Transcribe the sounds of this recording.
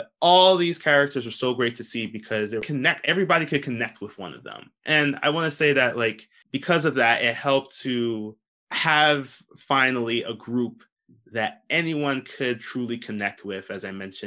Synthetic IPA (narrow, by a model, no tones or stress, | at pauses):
ɔlˠðiz̥kʰɛɹɨk̚tʰə˞zə˞soʊɡɹeɪtʰɨsibɨkʰʌzðɨkʰɨnɛk̚tɛvɹibɑɾikʰɨd̚kʰɨnɛk̚t̚wɪðwʌ̰̃nʌ̰vðə̰̃m | ʔɨ̃na̰ɪwɑ̃nɨseɪðɨtlaɪk | b̥ɨkʰʌzʌvðæɾɪt̚hɛlˠp̚tʰɨ | əv̥ | fãɪ̃nl̩ˠiʔəɡɹup̚ | ðɨɾɛniwʌ̃nkʰɨd̚tʰɹ̥ʉlˠikʰɨnɛk̚t̚wɪðɨzaɪmɛ̃nʃɨ̃